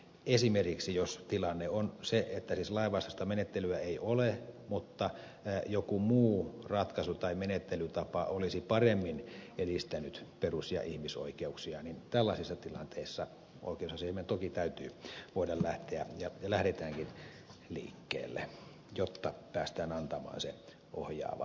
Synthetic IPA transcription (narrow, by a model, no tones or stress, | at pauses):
esimerkiksijost̪ilɑnːeonseʔet̪ːæsiːslɑˑiʋɑˑst̪ost̪ɑmenet̪ːelyæeiʔolemut̪ːɑ | jokumuːrɑt̪kɑsut̪ɑimenet̪ːelyt̪ɑpɑolisipɑremːinelist̪ænyt̪perusjɑ̰ʔihmiso̰ikeuksiɑnint̪ælːɑsisːɑt̪ilɑ̰nt̪eˑisːɑ | o̰ˑikeosɑseiment̪okit̪æyt̪yːʋoˑidɑllæht̪eæ̰jɑjɑlæhɾet̪æːŋkin | lḭːkːḛːlːḛ | jot̪ːɑpæːst̪æːnɑnt̪ɑmɑ̰ːnse | ʔo̰hjɑ̰ːʋɑ̰